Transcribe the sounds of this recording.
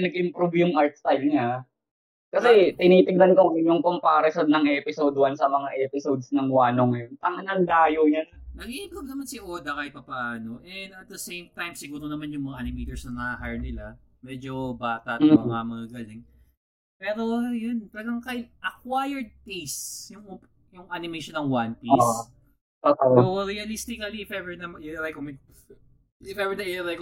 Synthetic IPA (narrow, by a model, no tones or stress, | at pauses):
nɐɡ̚ʔɪmpɾubjʊŋʔaɹt̪̚st̪ajlɲa | kɐsɛt̪ɪniːt̪ɪɡ̚d̪ɐnkoɪɲːoŋkompaːɾɪsod̪̚nɐŋʔɛːpɪsod̪wɐnsɐmɐŋaʔɛːpɪsod̪̚snɐŋwaːnoŋɛnt̪ɐŋɐnɐŋd̪aːjowɲɐnnɐɡiʔɪmpɾub̚nɐmansɪʔoːd̪ɐkɐjpɐpaaːno̞ʔɛd̪ɐt̪̚d̪ɐsejmt̪ajmsɪɡuːɾonɐmanjʊŋmɐŋaʔɐnɪmit̪ɛɹsnɐŋɐaɦajnɪlamɛd͡ʒobaːt̪ɐt̪mɐŋɐmɐɡaɡɐlɪŋ | pɛːɾo̞jonpaːɡɐŋkaɪt̪̚ʔɐkwajɛɹd̪̚t̪ejstjʊŋo | jʊŋʔanɪmejʃonːɐŋwanpis | ʔoːʔoɾiɐlist̪ɪkɐliɪfɛvɛɹnɐmɾajkomɪ | ɪfɛvɛd̪ɐɾajko